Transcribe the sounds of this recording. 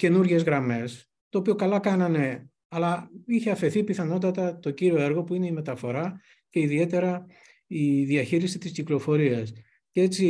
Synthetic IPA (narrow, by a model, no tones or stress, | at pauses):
ce̞nuɾʝe̞zɣɾɐme̞s | t̪o̞ːpiokɐlɐkɐnɐne̞ | ɐlɐiçeɐfe̞θipiθɐno̞t̪̬ɐt̪ɐt̪o̞ɟiɾio̞e̞ɾɣo̞puine̞ime̞t̪ɐfo̞ɾɐ | ce̞iðie̞t̪e̞ɾɐ | iðiɐçiɾisit̪isciklo̞fo̞ɾiɐs | cee̞t͡si